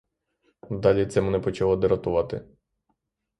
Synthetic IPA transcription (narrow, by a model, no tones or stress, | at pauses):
d̪ɑlʲit̪sɛmɛnɛpɔt͡ʃɐlˠɔd̪ɪɾɐt̪ʊʋɑt̪ɪ̰